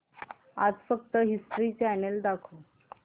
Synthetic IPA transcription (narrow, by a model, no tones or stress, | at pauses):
ad͡zfək̚t̪əɦisʈɾit͡seaneld̪akʰo